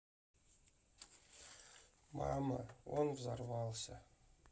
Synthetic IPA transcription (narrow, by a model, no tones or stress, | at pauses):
mɑmɤonvzɑrvɑlˠɕɤ